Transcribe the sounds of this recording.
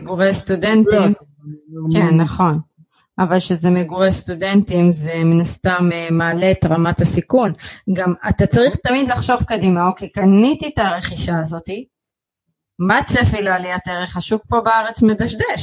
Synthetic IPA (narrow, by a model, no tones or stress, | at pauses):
eɡuʁest̪udentim | kenːaχo̞n | avalʃezemeɡuʁest̪ude̞nt̪imzeminast̪amemaːle̞t̪ʁamatasikunɡamat̪at͡saʁiχt̪amid̪laχʃo̞vkodimaokejkanit̪it̪aʁe̞χiʃaːzo̞ti | mat͡sefilalijat̪eʁeχaʃuk̚po̞beaʁe̞t͡smedaʃd̪eʃ